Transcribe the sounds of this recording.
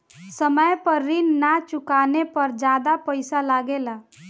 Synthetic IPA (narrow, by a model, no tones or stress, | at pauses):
səməjpəɾːinːat͡ʃʊkanepəɾd͡ʒad̪apəɪsalaɡela